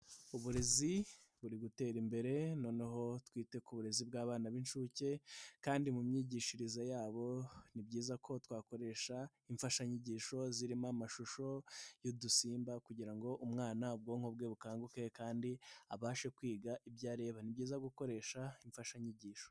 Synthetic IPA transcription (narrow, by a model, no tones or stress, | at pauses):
uβuɾe̞zi | βuɾiɡute̞ːɾimbe̞ɾe̞no̞ːneɦo̞twiːte̞kuβuɾe̞zibɡaːβaːnaβinʃuce̞kaːndimumɲiːɟiːʃiɾizajaːβo̞nibɟiːzakʰo̞twaːko̞ɾe̞ʃa | iɱfaʃaɲiɟiːʃo̞ziɾimamaʃuʃo̞jodusiːmbakuɟiɾaŋɡo̞ʔumŋaːnab̚ɡoːŋhob̚ɡeβukaːŋɡuke̞kaːndiaβaːʃe̞kwiːɡaʔibɟaːɾe̞βanibɟiːzaɡuko̞ɾe̞ːʃaiɱfaʃaɲiɟiːʃo̥